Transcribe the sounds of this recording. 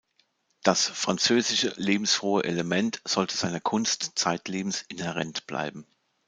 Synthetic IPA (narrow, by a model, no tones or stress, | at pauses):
d̥asfʁ̥ant͡søːzɪʃəleːbm̩sfʁ̥oːəʔeləmɛntz̥ɔltʰəzaɪnɐkʰʊnstt͡saɪtʰleːbm̩sɪnhɛʁɛntb̥la̰ɪbm̩